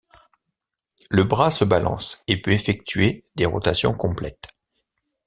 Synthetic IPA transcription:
ləbʁasəbalɑ̰̃sepøefɛk̚t̪ɥed̪eʁɔ̰t̪asjɔ̃kɔ̃plɛ̰t̪

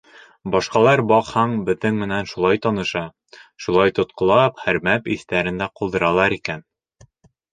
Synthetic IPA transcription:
bɒʃqɑlˠɑɾbɒqhɑɴbɘ̆ðɘŋmɘ̆nænʃulˠɑjt̪ɒnɤ̆ʃɑ | ʃulˠɑjt̪ŏt̪̚qŏlˠɑpχæɾmæpiθt̪æɾɘ̆nd̪æqulˠd̪ɤ̆ɾɑlˠɑɾikæn

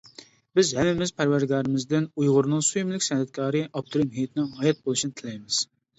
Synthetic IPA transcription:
bɪzhɛmːɪmɪz̥pʰæɾwæɾɡɑːɾɨmɪzd̪ɪnujʁʊɾnɨŋsujumlɪkʲsɛnhɛt̪̚kʲʰɑːɾɨʔɑp̚t̪ʰoɾimɦijt̪ʰɪnɪŋɦɑjɛt̪̚bolˠuʃinɨt̪ʰɪlɛjmɪz̥

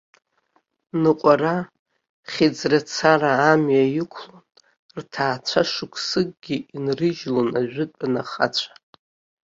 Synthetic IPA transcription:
nɨqʷʼara | χʲid͡zrat͡sʰaraːmjajɪkʷʰlon | rtʰaːt͡sʷʰaʂɨkʷʰsɨɡ̚ʼɡʲiinrɨʒlonaʒᶣʷɪtʷʼanaχa̰t͡ɕʷʰḁ

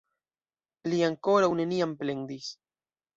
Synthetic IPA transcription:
liaŋkoɾawne̞niamplend̪is

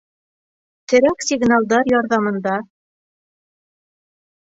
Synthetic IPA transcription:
t̪ɘ̆ɾæksʲiɡnalˠd̪ɑɾjɑɾðɑmɤ̆nd̪ɑ

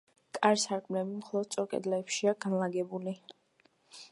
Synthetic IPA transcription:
kʼaɾsaɾkʼmnɛbimχɔlˠɔd̪̥̚sʼɔɾkʼɛ̰d̪lɛːpʃiaɡanlˠaɡɛbuli

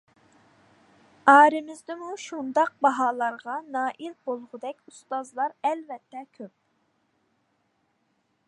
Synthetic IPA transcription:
ɑːɾɪmɪzd̪ɪmuʃund̪ɑq̚bɑɦɑːlˠɑɾʁɑnɑːʔilbolˠʁʊd̪ɛkʲust̪ɑzlˠɑɾɛlvɛt̪ʰːɛkʲʰøp̚

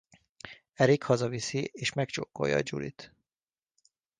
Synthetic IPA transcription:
ɛɾikhɒzɒvisieːʃmɛkt͡ʃoːkːo̞̰jɒ̰ːd͡ʒṵlḭt̪

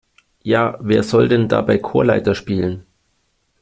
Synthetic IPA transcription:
jaːveːɐzɔldɛnda̰ːbaɪkʰoːɐlaɪtɐʃpiːlən

